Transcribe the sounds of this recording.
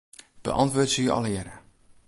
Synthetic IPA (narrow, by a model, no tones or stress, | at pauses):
b̥ə̰ʔɑ̰ntʋʊːtsyʔɑ̰lˠəjɛɾə